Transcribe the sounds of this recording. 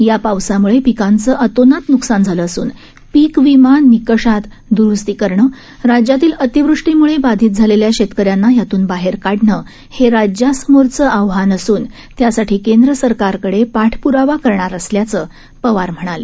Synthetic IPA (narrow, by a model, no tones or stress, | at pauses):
japawsamuɭepikant͡səʔət̪onat̪nuksand͡zʱaləːsuːn | piːkʋimanːikəʂat̪ | d̪uɾust̪iːkəɾɳə | ɾad͡ʑjat̪iːlət̪iʋɾuʂʈimuɭebad̪ʱiːt̪̚d͡zʱaleljaɕet̪kəɾjanːajat̪uːnbaɦeɾkaɽɳə | heɾad͡ʑjasəmoɾt͡səʔəʋɦanəsuːn | t̪jasaʈʰiːkend̪ɾəsəɾkaɾkəɽepaʈʰpuɾaʋakəɾɳaɾəsljat͡səː | pəʋaɾm̤əɽ̃ale